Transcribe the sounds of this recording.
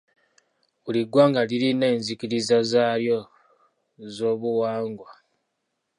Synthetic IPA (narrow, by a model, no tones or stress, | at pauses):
βuliɡwaːŋɡaliɾine̞ːnzikiɾizazaːljo̞ | zo̞ːβuwaːŋɡwa